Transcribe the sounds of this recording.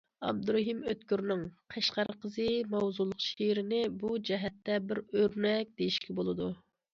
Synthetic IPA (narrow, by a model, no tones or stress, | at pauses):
ɑ̰b̚d̪uɾoɦimøt̪kʲyɾnɪŋqʰɛʃqɑɾqʰəzɨmɑwzulˠːʊqʃeɾɪnɪbud͡ʒɛɦɛt̪ːɛbɪɾøɾnɛk̚ʲd̪ejiʃkʲɛbolˠɨd̪u